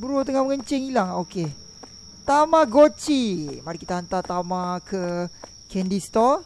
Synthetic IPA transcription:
bəɾot̪əŋaməŋəɲt͡ʃeŋilaŋoke | t̪amãɡot͡ʃimaɾikit̪aɦant̪at̪amãkə | kʰɛndist̪ɔ

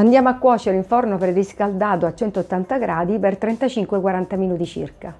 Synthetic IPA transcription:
and̪jaːmoakːwɔːt͡ʃeɾiɱfornopɾeriskald̪aːt̪oat͡ʃːɛnt̪oot̪ːant̪aɡɾʔaːd̪ipert̪ɾɛnt̪at͡ʃiŋkwekwaɾant̪aminuːt̪it͡ʃḭrka

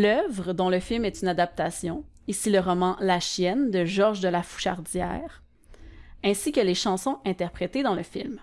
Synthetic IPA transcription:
lœvʁəd̪ɔ̃ləfilmɛt̪ynad̪ap̚t̪asjɔ̃ | isiləʁɔmɑ̃laʃjɛnd̪əʒɔʁʒd̪əlafu̥ʃaʁd̪zjɛ̰ːʁ | ɛ̃sikʲəleʃɑ̃sɔ̃ɛ̃t̪ɛʁpχet̪ed̪ɑ̃ləfilm

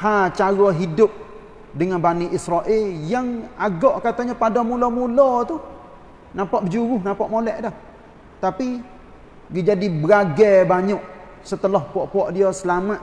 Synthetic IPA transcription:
hat͡ʃaɣɔɦidʊp̚ | dəŋanbaniʔisɾaʔɪljaŋaɡɔʔkat̪aɲapadɔmulɔmulɔt̪u | napaʔbəd͡ʒuɾʊhnapaʔmolɛʔdɔh | t̪api | ɡid͡ʒadibəɡaɡɛbaɲɔʔ | sət̪əlɔhpuɔʔpuɔʔdiɔsəlamat̪

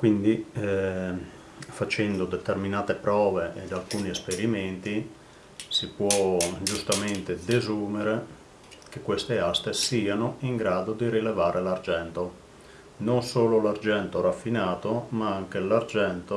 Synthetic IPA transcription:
kwind̪i | fat͡ʃɛnd̪od̪et̪erminaːt̪epɾɔːveʔḛd̪alkuːniespeɾiment̪i | sipwɔd͡ʒust̪ament̪ed̪ezuːmeɾe | kekːwest̪east̪esiːanoiŋɡɾaːd̪od̪iɾilevaːɾʔelard͡ʒɛnt̪o | nonsoːlolard͡ʒɛnt̪oɾafːinaːt̪omaaŋk̟elard͡ʒɛnt̪o

